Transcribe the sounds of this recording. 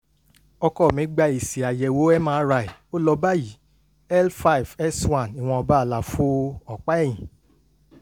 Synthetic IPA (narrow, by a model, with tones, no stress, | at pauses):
ɔ˧kɔ˦˨mĩ˨˦ɡ͡ba˧i˨si˨a˨jɛ˨wo˨˦ɛ˦mãː˦ɾa˧˨i˨o˦lɔ˧ba˦ji˨˦ | ɛ˦lfa˦i˨vɛ˦swã˦˨ni˨w̃ɔ̃˧ɔ˧ba˦a˨la˨fo˦ɔ˨k͡pa˦ɛ˦˨j̃ĩ˨